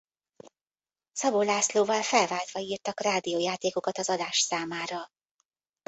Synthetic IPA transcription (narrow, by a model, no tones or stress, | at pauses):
sɒbolaːsloːvɒlfɛlvaːlt̪ʋɒiːrt̪ɒkraːd̪ijoːjaːt̪eːko̞kɒt̪ɒzɒd̪aːʃsaːmaːɾɒ